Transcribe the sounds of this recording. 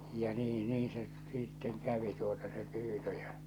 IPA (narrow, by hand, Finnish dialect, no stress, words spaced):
jɑ niː niː se sitːeŋ kæʋi tuotɑ se pyːtø j̊ɑ̥